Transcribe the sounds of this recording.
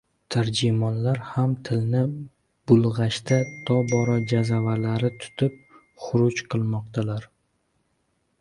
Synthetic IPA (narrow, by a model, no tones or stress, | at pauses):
t̪ʰaɾd͡ʒɪmɒnlaɾhamt̪ʰɪlnɪ | b̥ʊlˠʁɑʃt̪at̪ʰɒbɒɾɒd͡ʒazavaɾlaɾɪt̪ʰʊ̥t̪ʰɪp̚ | χʊɾʊt͡ʃqʰɨlˠmɒq̚t̪ʰalaɾ